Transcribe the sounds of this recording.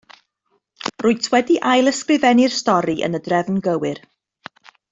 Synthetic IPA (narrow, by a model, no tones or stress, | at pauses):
rʊːɨtʰwɛdiʔajlˠəskrɪvɛnɪrstɔɾiʔə̰nədrɛvnɡəwɪr